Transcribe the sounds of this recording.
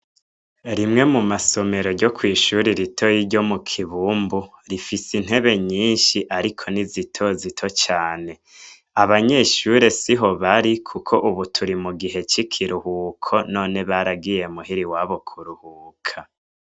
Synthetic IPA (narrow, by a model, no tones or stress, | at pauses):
ɾimŋe̞mumaso̞me̞ɾo̞ɟo̞kwiːʃuɾiɾitʰo̞jiɟo̞mukʰiβuːmbuɾifisin̥ɦe̞βe̞ɲiːnʃiʔaɾikʰo̞nizitʰo̞zitʰo̞t͡ʃaːne̞ | aβaɲe̞ʃuɾe̞siɦo̞βaɾikʰukʰo̞ʔuβutʰuɾimuɡiɦe̞t͡ʃikʰiɾuhuːkʰo̞no̞ːne̞βaɾaɡije̞muɦiɾiwaβo̞kʰuɾuhuːkʰa